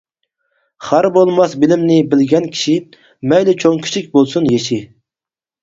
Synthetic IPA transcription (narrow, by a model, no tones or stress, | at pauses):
χæɾbolˠmɑsbɪlɪmnɪbɪlɡʲɛnkʲʰi̥ʃi | mɛjlɪt͡ʃʰoŋkʲʰy̥t͡ʃʰik̚ʲbolˠsunjeʃi